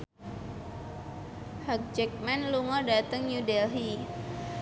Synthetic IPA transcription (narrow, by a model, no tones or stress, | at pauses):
hək̚t͡ʃɛk̚manluŋɔɗat̪əŋɲudɛlɦi